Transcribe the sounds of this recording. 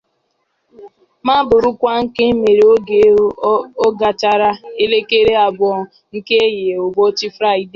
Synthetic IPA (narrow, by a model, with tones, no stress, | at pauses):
ma˦bʊ˨ɾʊ˦kʷa˦ŋ̩˦ke˦m˦me˨ɾe˨o˦ɡe˨˦o˦ɡa˨t͡ʃa˦ɾa˦e˦le˦ke˦ɾe˦a˨bʊ˨ɔ˦ | ŋ̩˦ke˦e˦je˨o˨bo˦t͡ʃɪ˦fɾa˦˨i˦de˨